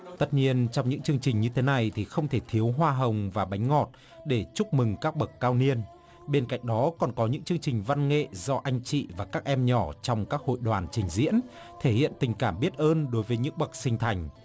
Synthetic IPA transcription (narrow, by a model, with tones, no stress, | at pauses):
t̪ə˦˥t̚ɲi˧ənt͡ɕɔ˧wŋ͡mɲɨ̰˧˥ŋt͡ɕɨ˧əŋt͡ɕï˨˩ŋ̟ɲɨ˧t̪ʰe˨˦na˨˩jt̪ʰi˨˩xə˧wŋ͡mt̪ʰe˧˩t̪ʰi˨˦əwɦwaː˧ɦə˨˩wŋ͡mvaː˨˩ɓa˨˦jŋ̟ŋɔ˨˩t̚ | ɗe˧˩t͡ɕʊ˦˥k͡p̚mɨ˨˩ŋkaː˦˥k̚ɓə˨˩kkːaː˧wni˧ən | ɓe˧nka̰˧˨jŋ̟ɗɔ˨˦kɔ˨˩nkɔ˨˦ɲɨ̰˧˥ŋt͡ɕɨ˧əŋt͡ɕï˨˩ŋ̟va˧nŋḛ˧˨zɔ˧ʔa˧jŋ̟t͡ɕḭ˧˨vaː˨˩kaː˦˥k̚ʔɛ˧mɲɔ˧˩t͡ɕɔ˧wŋ͡mkaː˦˥k̚ho̰˧˨jɗwaː˨˩nt͡ɕï˨˩ŋ̟zḭ˧˥ən | t̪ʰe˧˩hḭ˧˨ənt̪ï˨˩ŋ̟kaː˧˩mɓi˦˥ət̚ʔəː˧nɗo˨˦jvəː˨˦jɲɨ̰˧˥ŋɓə˨˩k̚sï˧ŋ̟t̪ʰa˨˩jŋ̟